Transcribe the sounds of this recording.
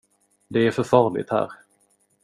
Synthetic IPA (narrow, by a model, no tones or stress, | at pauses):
d̪ɛæɾfœɾfɑːɾɭɪ̰t̪hæ̰ːɾ